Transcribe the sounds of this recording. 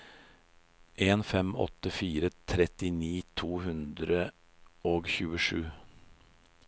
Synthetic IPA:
ʔeːnfɛmɔ̰t̪əfiːɾət̪ʰɾɛt̪ɪniːt̪ʰuːhʉnd̪ɾə | ʔoːɡçʉːəʂʉː

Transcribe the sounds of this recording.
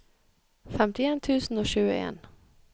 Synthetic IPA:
fɛmt̪ɪɛnt̪ʰʉ̟ːsənɔɕʉ̟̰ːḛːn

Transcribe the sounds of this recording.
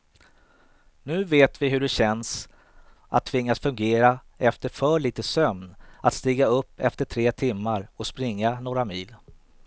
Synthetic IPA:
nʉ̟ːveːt̪vɪɦɵɖɛɕɛns | ʔat̪ʰːvɪŋːasfɵŋɡeːɾa | ɛft̪əɾfœːɭiːt̪əsœmnʔat̪st̪iːɡaɵpːɛft̪əʈʰɾeːt̪ʰɪmːaɾɔspɾɪŋːanoːɾamiːl

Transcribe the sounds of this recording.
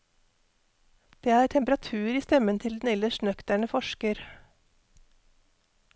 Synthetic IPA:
d̪̥eːæːʈʰɛmpəɾɑt̪ʰʉːɾiːst̪ɛmənt̪ʰɪld̪n̩ɛləʃnœkt̪æɳəfɔʃkəɾ

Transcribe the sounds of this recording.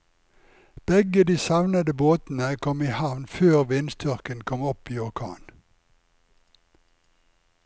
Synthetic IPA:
b̥ɛɡəd̪iːsɑʋnəd̪əboːt̪n̩əkʰɔmiːhɑʋnføːʁʋɪnst̪ʰʏʁkənkʰɔmɔpiːɔʁkʰɑ̰ːn

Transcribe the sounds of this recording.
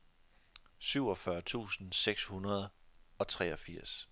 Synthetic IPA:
syʊ̰ɒ̽fɶɐt͡sʰṵːsn̩seɡ̥shunɐð̞ˠɒ̽t͡sʰʁɛ̰ːɒ̽fiɐ̰s

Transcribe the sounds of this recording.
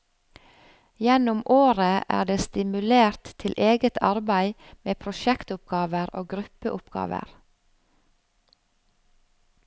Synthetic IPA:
jɛnʊmoːɾəʔæ̰ːɖeːst̪ɪmʉleːɾt̪ʰːɪlʔeːɡət̪ʰɑ̰ɾbæɪmeːpʰɾʊʃɛkt̪ʊp̚ɡɑːʋəɾoːɡɾʉpəʔʊpɡ̥ɑ̰ːʋə̰ɾ

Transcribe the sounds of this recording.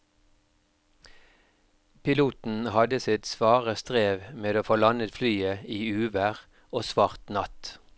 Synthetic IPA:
pʰɪluːt̪n̩hɑd̪əsɪt̪sʋɑːʁəst̪ʁeːʋmeːd̪oːfoːlɑnət̪flyːəiːʉːʋæʁ | oːsʋɑːʁt̪nɑt̪

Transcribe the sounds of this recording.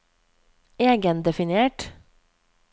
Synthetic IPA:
eːɡənd̪ɛfɪnɪeːʈ

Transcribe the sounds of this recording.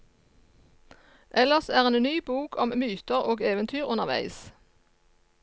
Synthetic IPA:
ʔɛləʁsæːʁeːnnyːbuːkʰɔmmyːt̪əʁoːɡeːʋənt̪ʰyːʁʊnəʁʋæ̰ɪs

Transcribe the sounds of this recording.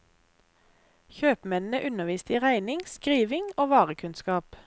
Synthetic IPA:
çøːpmɛnn̩əʔʉnəʋiːst̪əiːʁæɪnɪŋskʁiːʋɪŋoːʋɑːʁəkʰʉnskɑːp

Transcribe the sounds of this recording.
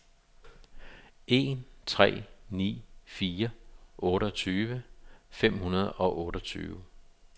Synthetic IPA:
e̝nt͡sʰʁɛ̰ːnḭːfiːɐʔɔ̽ːɾəɒt͡sʰyːʋəfem̰hunɐð̞ˠɒ̽ʔɔ̽ːɾɒt͡sʰy̰ːʊ

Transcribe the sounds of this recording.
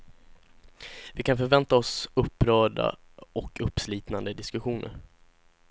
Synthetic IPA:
vɪkʰanfœɾvɛnt̪aɔsɵpːɾœːɖa̰ | ɔkʰɵpːsliːt̪nand̪əd̪ɪskɵɧuːnʔə̰ɾ

